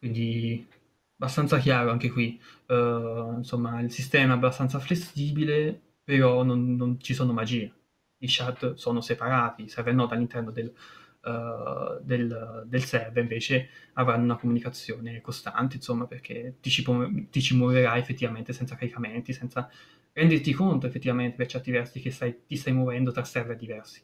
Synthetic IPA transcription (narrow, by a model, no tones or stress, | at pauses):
kwind̪i | abast̪ant̪sakjaːɾoaŋkekwi | insomːailsist̪ɛːmaɛabːast̪ant̪saflesiːbile | peɾɔnonːont͡ʃisoːnomad͡ʒiːe | iʃad̪soːnosepaɾaːt̪isɛvenːɔd̪alːint̪ɛrnod̪el | d̪eld̪elsɛrviɱveːt͡ʃeavɾanːounakomunikat̪sːjoːnekost̪a̰nt̪̬einsomːaperk̟ʰet̪it͡ʃipot̪it͡ʃimoveɾajefːet̪ːivament̪esɛnt̪sakaɾikament̪isɛnt̪sa | ɾɛnd̪ert̪ikont̪̬oefːet̪ːivament̪epert͡ʃɛrt̪ivɛrsik̟est̪ajt̪ist̪ajmovɛnd̪ot̪ɾasːɛrved̪ivɛrsi̥